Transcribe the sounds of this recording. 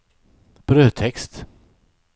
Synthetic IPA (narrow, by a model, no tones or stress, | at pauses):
b̥ɾøːt̪ʰɛkst̪